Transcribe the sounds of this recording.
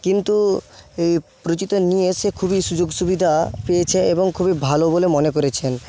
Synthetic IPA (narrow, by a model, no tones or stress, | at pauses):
kint̪uejpɾot͡ɕit̪onijesekʰubiʃud͡ʑoɡʃubid̪ʱapejet͡ɕʰeeboŋkʰubibʱalobolemonek̬oɾet͡ɕʰen